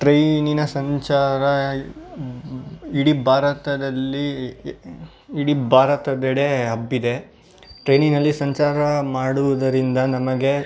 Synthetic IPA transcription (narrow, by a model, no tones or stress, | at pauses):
ʈɾejninɐsɐɲt͡ʃaːɾɐ | iɽibʱaːɾɐt̪ɐd̪ɐlːi | iɽibʱaːɾɐt̪ɐd̪ɛɽeɐbːid̪e̞ | ʈɾejniŋnɐlːisɐɲt͡ʃaːɾɐmaːɽuʋud̪ɐɾind̪ɐnɐmɐɡe